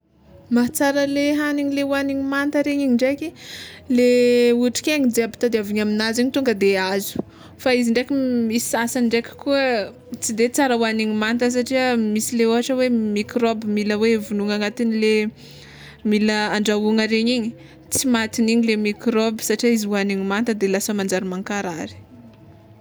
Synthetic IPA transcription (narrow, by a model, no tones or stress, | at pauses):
mat͡saɾəleɦaniɲilewaniɲimant̪əɾeɲiɲiɳɖ͡ʐekʲileuʈ͡ʂi̥kʲeɲid͡zabi̥t̪ad̪eaviɲaminaziɲit̪uŋɡəd̪eazu̥ | faiziɳɖ͡ʐekʲimisi̥sasaɳɖ͡ʐekʲi̥kuə | t͡sid̪et͡saɾəwaniɲimant̪əs̬aʈ͡ʂiəmisileoɦaʈ͡ʂəwemikɾobimiləwevunuŋaŋat̪inile | miləaɳɖ͡ʐauŋəɾeɲiɲi̥ | t͡simat̪iniɲilemikɾobi̥saʈ͡ʂiaiziuaniɲimant̪əd̪elasamand͡zaɾimaŋkaɾaɾi̥